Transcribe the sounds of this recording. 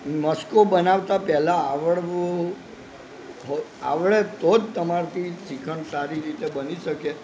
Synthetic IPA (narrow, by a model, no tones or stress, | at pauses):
məskobənaʋt̪apɛɦlaaʋəɭʋo | ɦoa̰ʋɭet̪od͡ʒt̪əmaɾt̪ʰisikʰəɳsaɾiɾit̪ebəniʃəke